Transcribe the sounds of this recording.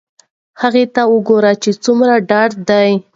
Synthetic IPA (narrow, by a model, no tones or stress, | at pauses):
haɣet̪awʊɡoɾat͡ʃet͡sumɾaɖɑɖd̪aj